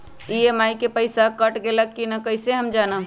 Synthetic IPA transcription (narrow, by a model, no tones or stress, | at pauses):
iemaːikepəɪsakɐʈɡelɐk̚kinakɐɪseɦɐmd͡ʒaːna